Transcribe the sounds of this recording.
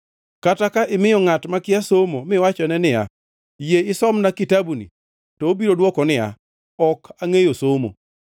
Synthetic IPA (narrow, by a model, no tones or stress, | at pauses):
katakaʔɪmɪjɔŋatmakɪasomomɪwat͡ʃɔnɛnɪja̰ | jeɪsɔmnakitabunḭ | tɔobiɾodwɔkɔnɪja̰ | ɔkʰaŋejosomo̰